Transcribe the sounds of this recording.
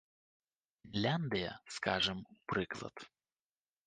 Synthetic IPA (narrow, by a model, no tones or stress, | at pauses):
lʲænʲd̪ɪjɛ̰skɑːʒʲɐmpʲɾʲɪklˠɐ̰t̪